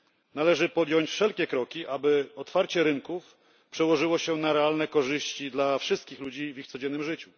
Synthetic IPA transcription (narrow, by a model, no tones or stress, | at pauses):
nalɛʐɘpɔd̪ʲjɔɲt͡ɕfʂɛlkʲɛkɾɔkʲiʔabɘɔt̪faɾt͡ɕɛɾɘŋkuf | pʂɛwɔʐɘwɔɕɛnaɾɛalnɛkɔʐɘɕt͡ɕid̪lafʂɘst̪̚kʲixlud͡ʑivixt̪sɔd͡ʑɛnːɘmʐɘt͡ɕu